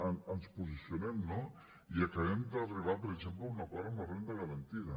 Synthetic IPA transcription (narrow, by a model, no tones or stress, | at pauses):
anansposisjonemno | iakaβemd̪ariβapoɾeʃemplounakaɾamorend̪aɣaɾant̪iða